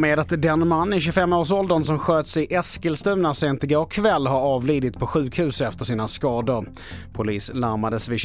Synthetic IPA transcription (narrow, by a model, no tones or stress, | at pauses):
meːd̪at̪d̪ɛnmanːɪɕɵfɛmːoːʂ̬ɔld̪ənsɔmɧøːt̪sɪʔɛskəlst̪ʉ̟ːnaseːnt̪ɪɡaːɔkʰːvɛlːɦaɾɑːvliːd̪ɪt̪pʰɔɧʉ̟ːkhʉ̟ːsɛft̪əʂiːnaskɑːd̪əɾ | pʰʊliːslaɾmad̪əsvɪ